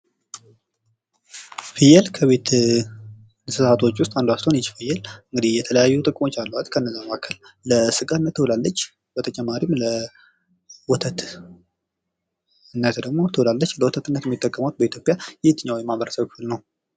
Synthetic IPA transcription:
fijɛlkʰəβe̞t̪ | ɨsɨsat̪ʰo̞t͡ʃːwʊst̪ʼand̪uast̪ʰonjɛt͡ʃːfɨjɛlɨŋɡɨd̪ijɛt̪ʰələjajːut̪ʼɨkʼmo̞t͡ʃːalːəwat̪kʰənːəzamakʰəlləsɨkʼanːət̪ʰːɨwlalːət͡ʃː | bət̪ʰət͡ʃʼɛmːaɾimlə | wɔt̪ʰət̪ | ɨnːət̪d̪əɡmo̞t̪ʰɨlalːət͡ʃːləwɔt̪ʰət̪ɨnːət̪jɛmːit̪ːəkʼːəmawt̪̚bəit̪ʰjopʼjajɛt̪ɨɲːawimaβəɾəsəβkɨfɨlnəw

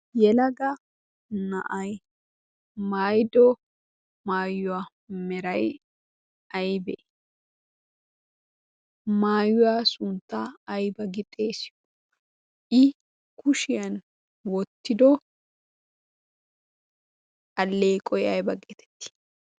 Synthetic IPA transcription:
jɛlɐɡɐ | nɐ̰ʔɐj | maːjd̪ɔ | maːjːʊwa | mɛɾɐj | ɐjbɛʔ | maːjʊwaːsʊnt̪ːaːjbɐɡɪt̪ʼe̞ːsɪ̥jɔ | ʔɪ | kʰʊʃɪjɐn | wɔt̪ːɪd̪ɔ | ɐlːeːkʼɔjɐjbɐɡet̪ʰɛ̥t̪ːɪ̥

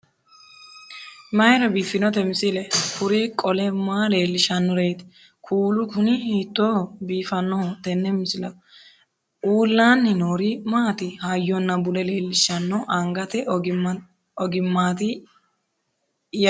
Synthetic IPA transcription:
mɐjɾɐbiːfːɪnɔt̪ɛmɪsɪlɛkʰʊɾikʼɔlɛmaːle̞ːlːɪʃɐnːɔɾeːt̪ | kʰuːlʊkʊnɪhiːt̪ːobiːfɐnːɔhɔt̪ɛnːɛmɪsɪlɐ | uːlːaːnːɪnoːɾɪmaːt̪ɪhajːɔnːɐbʊlɛleːlːɪʃɐnːɔʔɐŋɡɐt̪ɪ | ɔɡɪmːaːt̪ɪ | j

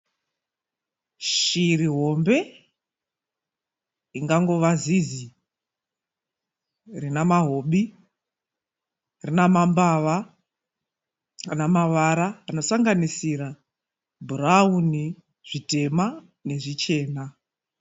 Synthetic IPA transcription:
ʃiriɦo̞mbe̞ | iŋɡaŋɡo̞ʋazizi | rinamaɦo̞ɓi | rinamambaʋa | anamaʋaɾaːno̞saŋɡanisiɾa | bʱurauni | ʐ̥ite̞ma | ne̞ʐit͡ʃe̞ːna

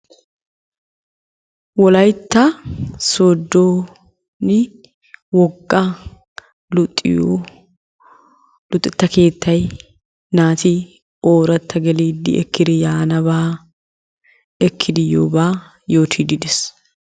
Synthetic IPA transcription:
wɔlɐjt̪ːɐsoːd̪ːoː | nɪ | wɔɡːɐ | lt̪ʼː | lʊt̪ʼːɪt̪ːɐke̞ːt̪ːɐj | naːt̪ɪ | oːɾɐt̪ːɐɡɛliːd̪ːɪ̰ʔɛkːɪd̪ɪjaːnɐbaː | ɛkʰːɪd̪ɪjːo̰ːbaː | jo̞ːt̪ʰiːd̪ɪd̪ɛs

